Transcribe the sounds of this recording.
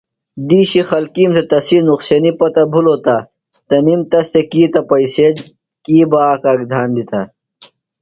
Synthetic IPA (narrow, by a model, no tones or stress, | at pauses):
d̪iːɕixɐlkiːmt̪ʰet̪ɐsinuqseːnipɐt̪ɐbʱuloːt̪a | t̪ɐnimt̪ɐst̪ekiːt̪ɐpɐiseːd | kiːbaːkaːɡd̪ʱaːnd̪it̪a